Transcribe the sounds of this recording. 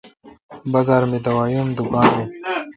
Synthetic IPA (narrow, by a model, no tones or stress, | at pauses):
bɐzaːɾmed̪ɐwaːjuːmd̪ukãːnd̪eː